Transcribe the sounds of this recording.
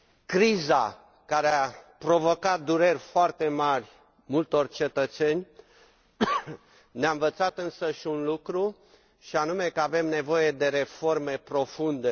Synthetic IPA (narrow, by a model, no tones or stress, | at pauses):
kɾiza | kaɾeapɾo̞vo̞kat̪̚d̪uɾe̞rʲfoart̪e̞marʲ | mult̪o̞rt͡ʃe̞t̪ət̪se̞nʲ | neaɨnvət̪sat̪ɨnsəʃiunlukɾu | ʃianume̞kəave̞mne̞vo̞je̞d̪e̞ɾe̞fo̞rme̞pɾo̞fund̪e̞